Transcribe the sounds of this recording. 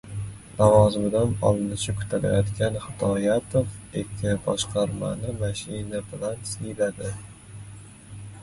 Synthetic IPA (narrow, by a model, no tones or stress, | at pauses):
lavɒzɪmɪd̪anɒ̰lˠɪnɪʃakʰʊ̥t̪ʰala̰jɒt̪kʲʰanχɪt̪ʰɒjat̪ʰofekʲʰːɪbɒʃqʰɑɾma̰nɪmaʃɪnabɪlansɪjlad̪ɪ